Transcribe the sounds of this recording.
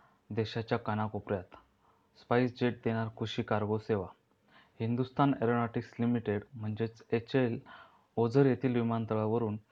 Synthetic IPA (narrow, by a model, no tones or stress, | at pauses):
d̪ɛɕat͡ɕjakanakopɾjat̪ | spaisd͡ʑeʈ̚d̪eɽ̃aɾkʰuɕiːkaɾɡoseʋa | hind̪ust̪ʰaneɾonaʈikslimiʈeɽm̤əɳd͡ʑet͡set͡ɕel | od͡zəɾjet̪ʰiːlʋimant̪əɭaʋəɾuːn